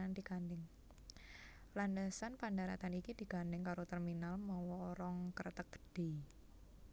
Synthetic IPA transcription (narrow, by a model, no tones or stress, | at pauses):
and̥ikandɪŋ | landəsanpandaɾa̰t̪anikid̪̥i̤kanɖɪŋkaɾot̪ərminalmawɔːɾɔŋkərət̪ək̚ə̥ɖ̥e̤